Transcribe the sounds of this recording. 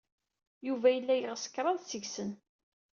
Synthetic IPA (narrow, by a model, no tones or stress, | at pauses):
juvæjəlːæjəʁəsə̥kɾˤɑðˤsəʝsən